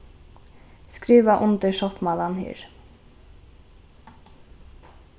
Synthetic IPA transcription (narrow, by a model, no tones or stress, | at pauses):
skɾiːʋaʔʊnt̪ɪʃɔt̪malanhḭːɹ